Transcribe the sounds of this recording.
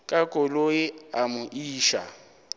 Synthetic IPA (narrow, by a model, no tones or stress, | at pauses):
kʼakʼoloɪamʊʔiːʃa̰